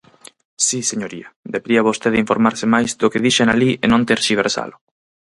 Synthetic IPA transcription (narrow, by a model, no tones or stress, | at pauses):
siseɲoɾiɐd̪eβeɾiaβost̪eðiɱfoɾmaɾsɪmajzd̪ʊkeðiʃenalienõnt̪eɾʃiβeɾsa̰lʊ